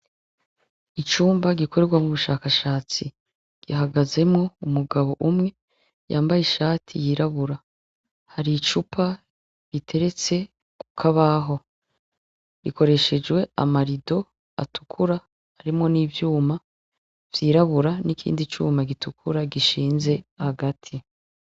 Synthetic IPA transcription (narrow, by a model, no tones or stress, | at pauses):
it͡ʃuːmbaɡiko̞ɾe̞ɾɡwamŋuβuʃaːkaʃaːt͡si | ɡ̥iɦaɡaze̞mŋo̞umuɡaβo̞ʔumŋe̞ | jaːmbajeʃaːtʰḭjiɾaβuɾa | haɾit͡ʃupʰa | βitʰe̞ɾe̞t͡se̞ | ku̥kʰaβaɦo̞ | βikʰo̞ɾe̞ʃe̞d͡ʒwe̞a̰maɾido̞ | a̰tʰu̥kʰuɾaː | ɾimŋo̞niːvjuːma | v̥jiːɾaβuɾanikʰḭːndit͡ʃṵːmaɡitukʰuɾaɡiʃiːnze̞haɡatʰi